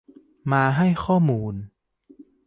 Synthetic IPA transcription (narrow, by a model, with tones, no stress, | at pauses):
maː˧ɦa˥˩jxʰɔː˥˩muː˧n